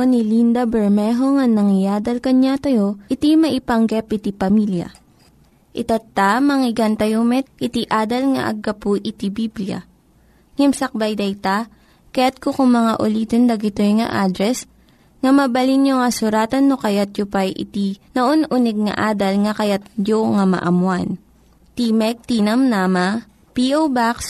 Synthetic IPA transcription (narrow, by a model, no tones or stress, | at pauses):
onilind̪ɐbɛɹmɛɦoŋɐnɐŋɪjaːd̪ɐlkɐɲat̪ɐjo̞ʔɪt̪imɐʔɪpɐŋɡɛpʔɪt̪ipɐmiljɐ̰ | ʔɪt̪at̪ːamɐŋɪɡant̪ɐjomɛt̪̚ʔɪt̪iʔaːd̪ɐlŋɐ̰ʔɐ̰ɡːɐpʊʔɪt̪ibiblɪjɐ̰ | ŋɛmsɐk̚bajd̪ɐjt̪a | kɐjat̪̚kokʊŋmɐŋaʔʊliːt̪ond̪ɐɡɪt̪ojŋɐ̰ʔaːd̪ɾɛs | ŋɐmɐbɐlinjoŋɐsʊɾaːt̪ɐnːokɐjat̪̚jʊpajʔɪ̰t̪inoʔonʔunɛɡ̚ŋɐ̰ʔaːd̪ɐlŋɐkɐjat̪̚d͡ʒoŋɐmɐ̰ʔɐmwan | t̪imɛk̚t̪iːnɐmnamɐ | piʔowbaks